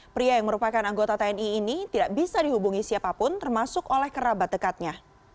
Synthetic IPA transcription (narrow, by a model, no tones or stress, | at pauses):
pɾiajaŋməɾupakanaŋɡot̪at̪aɛniːnit̪idakbisadiɦubuŋisiapapʊnt̪ərmasʊkolɛhkəɾabat̪̚dəkat̪̚ɲa